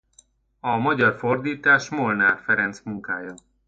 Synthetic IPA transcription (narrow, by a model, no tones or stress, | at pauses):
ɒmɒɟɒrford̪iːt̪aːʃmolnaːrfɛɾɛnt̪smuŋkaːjɒ